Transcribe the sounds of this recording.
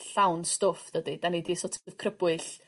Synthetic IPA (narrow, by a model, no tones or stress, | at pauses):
ɬawnstʊfdədid̥anidisɔtʰəðkʰrəb̥wɨɬ